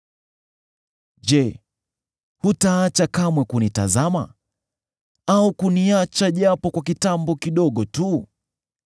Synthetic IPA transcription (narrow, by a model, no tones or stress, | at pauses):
ʄɛ | hutaːt͡ʃakamwɛkunita̰zama̰ | aukuniat͡ʃaʄapɔkwakitambɔkiɗɔɠɔtu